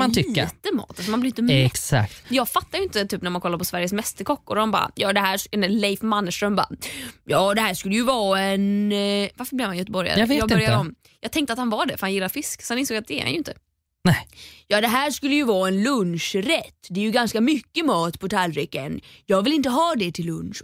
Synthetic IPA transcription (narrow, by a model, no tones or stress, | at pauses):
mant̪ʰʏːət̪əmɑ̰ːt̪als̬ɔmanblɪɾɪnt̪əmɛsa̰kt̪jɑːɡfat̪ːajʏɪnt̪ət̪ʰyːpnæmankʰɔlːaɾpɔsvæɾjəsmɛst̪əɾkʰɔkːʊɾhanbɑ̰ːɾa̰jɑːd̪ɛɦæːʂnlɛjfmanːəʂʈɾœmbɑ̰a̰jɑːd̪ɛɦæːʂkɵlːəjɵvɑːɛnvaɾfəblɪvhanjœt̪əbɔɾja̰ɾɑvːjːɡb̪ɪœɾjaɾɔm | jɑːɡ̚t̪ɛŋkt̪əat̪hanvɑɖɛfœɾhanjɪlːaɾfɪsksɔhanɪnsoːɡat̪̚d̪ɛ̰ːɾha̰njʉɪnt̪ə | nɛjɑːd̪ɛɦæːʂkɵlːəjɵvɑːɛnlɵnʂɾɛt̪ːd̪ɛɛjɵɡanskamʏkːəmɑːt̪pʰɔt̪ʰalɾɪkːənjɑːɡvɪlɪnt̪əɦɑːd̪ɛt̪ʰɪlːɵnʂ